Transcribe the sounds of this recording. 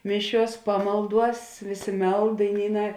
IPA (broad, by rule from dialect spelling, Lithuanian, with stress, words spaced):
ˈmʲɪˌʃʲuɔs ˈpɑːmɐlˠˌduɔs ˈʋʲeːˌsʲeː ˈmʲɛlˠt dɐɪˈnʲiːˌnɑː